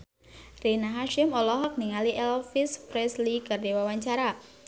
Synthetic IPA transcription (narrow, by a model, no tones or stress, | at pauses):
rinaɦaʃɪmɔlɔɦɔk̚niŋaliʔɛlfispɾɛslikardewawaɲt͡ʃaɾa